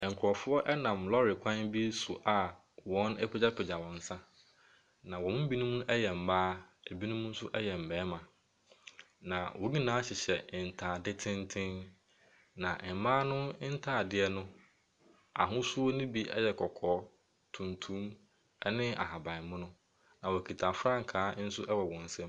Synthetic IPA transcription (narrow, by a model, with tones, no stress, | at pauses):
ŋ̩˨kʰɔ˨fʊ˦ɔ˦ʔɛ˦nã˨mlɔ˦ɾɪ˨kʷʰã˦nbi˦su˨ʔa˨ | wɔ̃˦nɛ˦pʰe˦d͡ʑa˦pʰɪ˨d͡ʑa˨wɔ̃˨n̩˨sã˦ | nã˨wɔ̃˨ʊ̃˦m˦bi˦nʊ̃˦mũ˦ɛ˦jɛ˨m̩˨baː˦æ˨bi˦nʊ̃˦mʊ̃˦n̩˦sʊ˦ʔɛ˦jɛ˨m̩˨bɛː˨˦mã˨ | nã˨wʔo˨ɡĩ˦nãː˨˦a˦ɕɪ˨ɕɛ˨n̩˨tʰaː˨dɪ˦tʰɪ̃˦n˦tʰɪ̃˦n | nã˨ʔm˨mãː˦nʊ̃˦n̩˦tʰaː˦˨dɪ˦ɛ˦nʊ̃˦ | a̰˨ɦʊ̃˦sʊ˦o˦nʊ̃˦bi˦ʔɛ̰˦jɛ˨kʰɔ˨kʰɔː˨˦ | tʰũ˨ntʰũ˦m | ɛ˦nɪ̃˦a̰˨ɦa˨bã˨mʊ̃˦nʊ̃˦ | nã˨wɔ˨kʰi˨tʰa˨fɾã˦ŋ̩˨kʰaː˨˦n̩˦sʊ˦ʔɛ˦wɔ˨wɔ̃˨n̩˨sɛ̃˦m